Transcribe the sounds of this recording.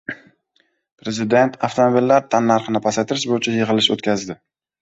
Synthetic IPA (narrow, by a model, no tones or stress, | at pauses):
pɾe̞zɪd̪e̞nt̪ʰaft̪ʰomobilːaɾt̪ʰanːaɾqɨnɪpʰasat̪ʰɪɾɪʃbojɪt͡ʃʰajɪʁɨlɪʃo̰t̪kʲʰazd̪ɪ